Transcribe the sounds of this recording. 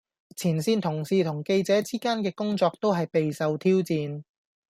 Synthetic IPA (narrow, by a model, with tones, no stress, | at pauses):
t͡sʰiː˨˩nsiː˧nt̪ʰʊ˨˩ŋsiː˨t̪ʰʊ˨˩ŋke˧jt͡sɛː˨˥t͡siː˥kaː˥nkɛː˧kʊ˥ŋt͡sɔː˧k̚t̪o˥wɦɐ˨jpe˨jsɐ˨˧wt̪ʰiː˥wt͡siː˧n